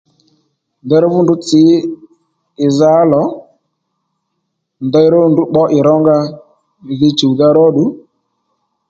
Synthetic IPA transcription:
ndɛ˦ɾɔ˦vʊ˦ndʊ˦t͡sɪ˨˦ | ɪ˨za˨˦lɔ˨˦ | nd̪ɛ˧jɾo˦˨ndu˨˦ɓɔ˦ʔɪ˨ɾɔ˦ŋɡa˧˨ | ɣi˧t͡ʃu˨ða˦ɾɔ˦ɗu˨˦

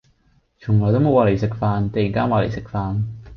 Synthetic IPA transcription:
t͡ʃʰʊ˨˩ŋlɔː˨˩jt̪o˥mo˨˧waː˧le˨˩jsɪ˨kfaː˧nt̪ɐ˨˩ji˨˩ŋkaː˥nwaː˧le˨˩jsɪ˨k̚faː˧n

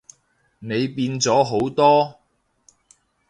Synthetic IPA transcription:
ne˨˧jpiː˧nt͡sɔː˨˥ɦo˨˥wt̪ɔː˥

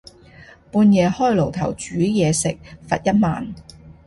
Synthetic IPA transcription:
puː˧njɛː˨˧hɔː˥jlo˨˩wt̪ʰɐ˨˩wt͡ʃyː˨˥jɛː˨˧sɪ˨k̚fɐ̰˨t̚jɐ˥t̚ma̰ː˨n

